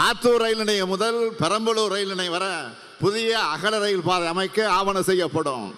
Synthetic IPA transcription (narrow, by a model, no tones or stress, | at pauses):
aːɾt̪uːɾɐɪlɪnɐjɐmʊðɐlpɛɾɐmbɐluɾɐɪlɪnɐɪʋɐɾɐ | pʊðɪjɐːɣɐlɐɾɐjɪlpaːðɐɐmɐɪkːɯaːʋɐnɐsɛjːɐpːɐɽɯ̰̃m